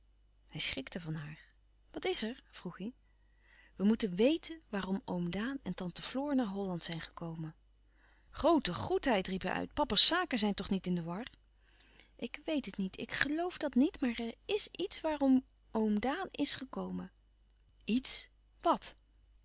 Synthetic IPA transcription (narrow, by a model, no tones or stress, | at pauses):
hɛjsχɪktəvɑnɦaːɹ | ʋɑtɪsɛɹv̥ruχi | ʋəmutənʋejtənʋaːrɔmowmdaːnɛntɑntəv̥lʊːɹnaːɹɦɔlɑntsɛjnχə̥kowmən | χrowtəχutɦɛjtripɦɛ̰jʔœ̰ɥt̚pɑpəɹsaːkəzɛjntɔχnitɪndəʋɑɹ | ʔɪkʋejtɦətnitʰɪ̰kχəlowfdɑtnitmaːɹɛɹɪsitsʋaːrɔm | owmdaːnɪsχəkowmə | its | ʋɑt